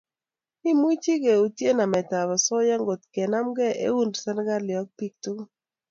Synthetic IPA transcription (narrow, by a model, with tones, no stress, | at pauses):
i˦mwi˦t͡ʃi˦ɡe˨u˨tje˦na˨mɛ˨ta˨βɔ˨sɔ˦ja˦ŋɡo˨t̪kɛ˨na˦mɡɛ˦ḛ˦u˦ndsa˦n˦ɡa˦lɪ˨ɔ˦k̚pi˦k̚tu˦